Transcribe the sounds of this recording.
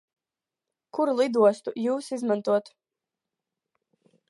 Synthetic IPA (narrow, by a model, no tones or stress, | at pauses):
kuɾlˠid̪uɔst̪ujuːsizmãnt̪uɔt̪